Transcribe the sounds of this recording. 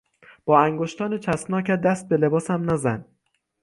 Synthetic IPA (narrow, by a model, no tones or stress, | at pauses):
b̥ɒːæŋɡoʃt̪ʰɒːnet͡ʃʰæstnɒːcæd̪æst̪̚bele̞bɒːsæmnæzæn